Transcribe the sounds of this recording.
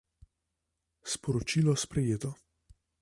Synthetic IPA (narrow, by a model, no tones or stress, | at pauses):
spɔɾɔt͡ʃiːlɔspɾɛjeːt̪ɔ